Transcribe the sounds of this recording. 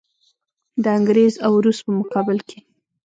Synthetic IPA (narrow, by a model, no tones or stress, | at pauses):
d̪əaŋɡɾezawɾust̪̚pəmʊqɑbɪlkʰe